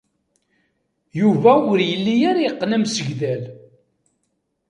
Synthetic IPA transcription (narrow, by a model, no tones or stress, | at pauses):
juvæʊɾjəlːijæɾjqːnæmsəʝðæl